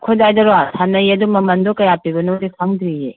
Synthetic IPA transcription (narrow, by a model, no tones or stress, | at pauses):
kʰodajdɐɾasʰanɐjɐdumɐmɐndɔkɐjapibɐnodikʰaŋdɾije